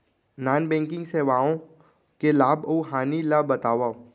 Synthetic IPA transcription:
naːnbɛ̃ːŋkɪ̃ŋɡseːʋaːõ | kelaːbouɦaːnilabɐt̪aːʋa

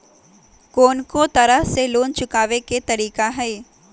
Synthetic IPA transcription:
koːnkot̪ɐɾəɦseloːnt͡ʃʊkaːʋeket̪ɐɾiːkaɦɛː

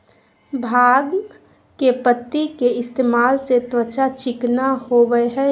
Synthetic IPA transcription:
bʱaːɡ | kepət̪ːikeɪst̪eːmaːlset̪wət͡ʃat͡ʃɪknahobəeɦɛ

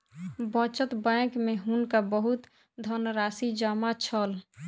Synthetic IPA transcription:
bə̃t͡ʃət̪bɛ̃ːkmeɦunkabəɦut̪ | d̪ʱənɾaːsid͡ʒaːmat͡ʃʰəl

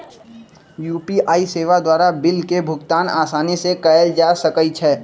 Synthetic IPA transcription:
juːpiʔaːiseːʋad̪waːɾabɪlkebʱʊɡt̪aːna̰ːsaːnisekəəld͡ʒaːsɐkəit͡ʃʰɛː

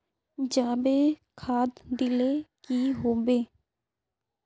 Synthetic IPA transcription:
d͡ʒaːbeːkʰaːd̪d̪ɪlekiɦoːbeː

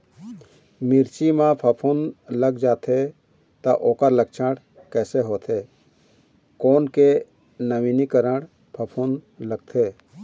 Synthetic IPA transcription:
mɪɾt͡ʃimãpʰəpʰunləɡd͡ʒaːt̪ʰe | t̪aʔoːkəɾləkt͡ʃʰəɽ | kɛːseɦoːt̪ʰeː | koːnke | nəʋiːnikəɾəɽ | pʰəpʰun | ləɡ̚t̪ʰeː

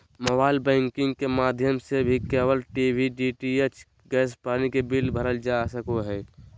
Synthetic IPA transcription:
məbaːɪlbɛ̃ːŋkɪ̃ŋɡkemaːd̪ʱjəmsebʱikeːwəlʈibʱiɖiʈiet͡ʃ | ɡɛːspaːnikebilbʱəɾəld͡ʒasəkoɦɛː

